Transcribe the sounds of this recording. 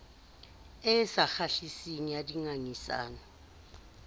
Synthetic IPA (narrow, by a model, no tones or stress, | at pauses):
ɛsaxaɬisiŋ̩jadiŋaŋisa̰ːnɔ